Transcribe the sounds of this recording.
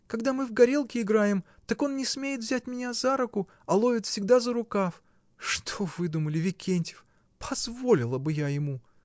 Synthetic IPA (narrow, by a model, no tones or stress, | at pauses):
kɐɡd̪amɨvɡɐɾʲelˠkʲɪɪɡɾajɪm | t̪ako̞nnʲɪsmʲejɪt̪vzʲæt̚ʲmʲɪnʲazaɾʊkʊ | ɐlˠo̞vʲɪt̪fsʲɪɡ̚d̪azəɾʊkaf | ʂt̪ʰo̞vɨd̪uməlʲɪvʲɪkʲʰenʲtʲɪ̥f | pʰɐzvo̞lʲɪlˠəbɨjajɪmu